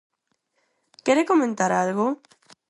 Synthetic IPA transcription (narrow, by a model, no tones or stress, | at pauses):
keɾekomẽnt̪aɾalɣo